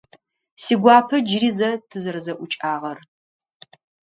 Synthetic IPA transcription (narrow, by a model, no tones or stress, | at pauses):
siːɡʷɑːpʰɐd͡ʒɪrizɐtʰɨzɐrzɐʔʷʊt͡ʃʼaːʁɐr